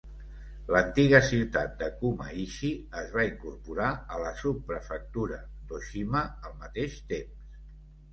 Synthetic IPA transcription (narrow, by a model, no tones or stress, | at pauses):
lənt̪iɣəsiwt̪at̪̚d̪əkumə̰iʃiəzβaiŋkurpuɾaələsupːɾəfək̚t̪uɾə | d̪oʃiməəlˠmət̪eʃt̪ems